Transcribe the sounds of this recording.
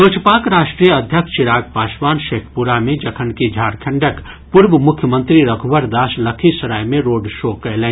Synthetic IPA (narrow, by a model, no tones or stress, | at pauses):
oːt͡ʃʰpaːkɾaːʃʈɾijəəd̪ʱjəkʃt͡ʃɪɾaːɡ̚paːsbaːnʃeːkʰpuɾamẽd͡ʒɐkʰənkid͡ʒʱaːɾkʰə̃ɳɖək | puɾʋəmʊkʰjəmə̃nt̪ɾiɾəkʰbəɾd̪aːsləkʰisɐɾajmẽɾoːɖʃoːkəelɛ̃